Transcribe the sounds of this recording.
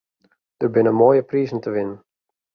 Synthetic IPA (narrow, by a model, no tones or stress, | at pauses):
d̥ərbɪnəmoːjəprizən̩təʋɪnən